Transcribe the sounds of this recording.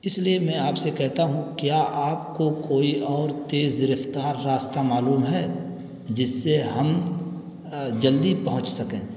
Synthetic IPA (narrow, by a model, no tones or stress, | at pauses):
ɪsliemɛ̃ːaːpsekɛɦt̪aɦũkjaːʔaːpkokoːiʔɔːɾt̪eːzɪɾəft̪aːɾːaːst̪amaːluːmɦɛː | d͡ʒɪsːeɦɐm | d͡ʒɐld̪ipɐɦʊ̃t͡ʃsɐkẽː